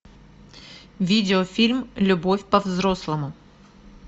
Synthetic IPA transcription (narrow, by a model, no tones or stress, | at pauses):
vʲidʲɪofʲilʲmlʲʊbo̞fʲpɐvzɾoslˠəmʊ